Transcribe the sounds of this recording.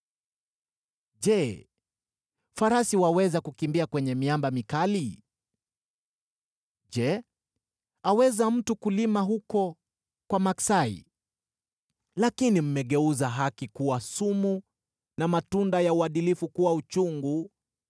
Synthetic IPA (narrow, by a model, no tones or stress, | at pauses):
ʄɛ | faɾasiwawɛzakukimbiakwɛɲɛmiambamikali | d͡ʒɛ | awɛzam̩tukulimaɦukɔ | kwamaksaḭ | lakinim̩mɛɠɛuzaɦakikuwasumu | namatundajauaɗilifukuwaut͡ʃuŋɡu